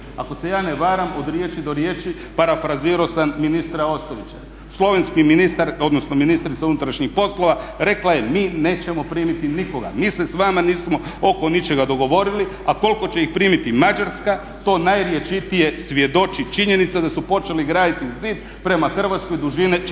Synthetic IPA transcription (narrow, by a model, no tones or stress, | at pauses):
ako̞sejaːneʋaːɾamo̞d̪ɾje̞t͡ʃid̪o̞ɾjeːt͡ʃi | paɾafɾaziɾo̞sanminist̪ɾao̞st̪oʋit͡ɕa | slo̞ʋe̞nskiminist̪aɾo̞d̪nosno̞minist̪ɾit̪saunut̪ɾaʃɲixpo̞slo̞ʋaɾe̞klaje̞miːne̞ːt͡ʃe̞mo̞pɾiːmit̪iniko̞ɡa̰miːse̞sʋamaniːsmo̞o̞ko̞nit͡ʃe̞ɡad̪o̞ɡo̞ʋo̞ɾiliako̞lko̞t͡ɕe̞ixpɾiːmit̪imad͡ʒaɾska | t̪o̞ːnajɾje̞t͡ʃit̪ije̞sʋje̞d̪o̞t͡ʃit͡ʃiɲe̞nit̪sad̪asupo̞t͡ʃe̞liɡɾaːd̪it̪iziːd̪̚ | pɾe̞maxr̩ʋat̪sko̞id̪uʒini